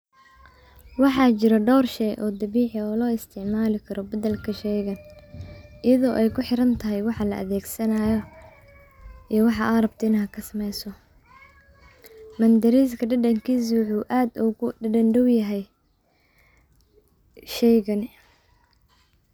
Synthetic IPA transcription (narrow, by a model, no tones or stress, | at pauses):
wɑħɑːt͡ʃɪɾɐɖɔwrʃɛjʔɔːd̪ɐβiːħɪɔːlɔːɪst̪ʰɪʕmaːlɪkʰɐɾɔbɐd̪ɐlkʰɐʃɛjɣɐn | ʔɪjɐðɔːʔɛjkʰʊħɪɾɐnt̪ʰɐɦɛjwɑħɑlɐ̰ʔɐ̰ðɛːɡsɐnaːjɔ | ʔijɔwɑħɑʔɐɾɐb̚t̪ʰɪnɐɦɐkʰɐsɐmɛjsɔ | mɐnd̪ɐɾiːskʰɐɖɐɖɐŋkʰiːs̬wʊħuːʔaːd̪ʊɣʊɖɐɖɐnɖɐwjɐɦɛj | ʃɛjɣɐn